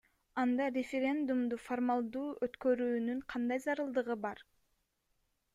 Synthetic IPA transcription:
ɑnd̪ɑrʲefʲeɾʲe̞nd̪umd̪uformɑlˠd̪uːʔøt̪kø̞ɾyːnyɴqʰɑnd̪ɑjzɑɾɯlˠd̪ɯʁɯbɑɾ

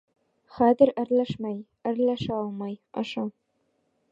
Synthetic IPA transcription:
χæzɘ̆ɾɘ̆ɾlæʃmæj | ɘ̆ɾlæʃɑlˠmɑjɑ̰ʃɑ

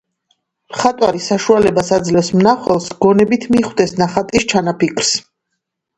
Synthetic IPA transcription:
mχat̪ʼwaɾisaʃualɛbasad̪zlɛfsmnaχwɛlˠsɡ̥ɔnɛbit̪ʰmiχwd̪ɛsnaχat̪ʼist͡ʃʰanapikʰɾ̥s

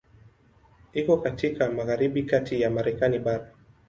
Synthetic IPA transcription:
ikɔkatikamaɣaɾiɓikatijamaɾɛkaniɓaɾa

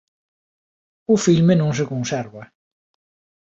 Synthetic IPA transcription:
ʊfilmenõŋs̬ekõnsɛɾβɐ

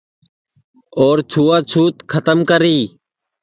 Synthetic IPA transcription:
oːɾt͡ʃʰuːaːt͡ʃʰuːt̪kʰət̪əmkəɾiː

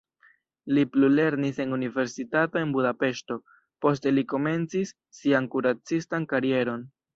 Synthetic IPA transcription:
liplule̞ɾnise̞nunive̞ɾsitato̞e̞nbudape̞ʃto̞ | po̞s̬te̞liko̞me̞nt͡sisː | iankuɾat͡sistankaɾie̞ɾo̞n

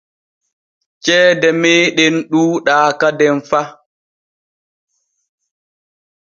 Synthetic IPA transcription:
t͡ʃɛːdɛmeːɗɛnɗuːɗaːkadɛnfa

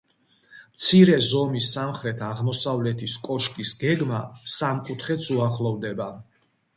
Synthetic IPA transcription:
mt̪sʰiɾɛzɔmisːamχɾɛt̪ʰaʁmɔsavlɛt̪ʰiskʼɔʃkʼisɡɛɡmasamkʼut̪ʰχɛt̪sʰuaχlˠɔvd̪ɛba

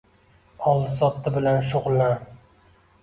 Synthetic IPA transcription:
ɒlˠsɒt̪ʰːɪbɪlanʃ̬ʊʁlˠːan

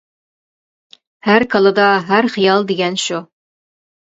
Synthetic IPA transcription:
hæɾkʰɑlˠɨd̪ɑɦæɾχijɑlˠd̪eɡʲɛnʃu

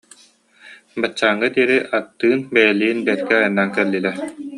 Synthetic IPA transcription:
bat͡ɕːaːŋːad̪iɛɾiʔat̪ːɯːnbɛjɛliːnbɛɛt̪̚kɛajanːaːŋkɛlːilɛ

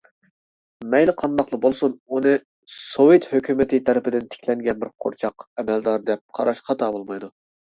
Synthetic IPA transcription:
mɛjlɪqʰɑnd̪ɑqlˠəbolˠsununɨ | sowet̪høkʲymɪt̪ʰɪt̪ʰɛɾɪpɪd̪ɪnt̪ʰɪ̥kʲʰlɛŋɡʲɛnbɪɾqʰo̰ɾt͡ʃʰɑqɛmɛld̪ɑɾd̪ɛp̚qʰɑɾɑʃqʰɑt̪ʰɑbolˠmɑjd̪u

